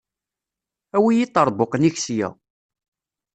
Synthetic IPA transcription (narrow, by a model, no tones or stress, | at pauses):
æwijit̪ˤːəɾˤboqəniçsjæ̰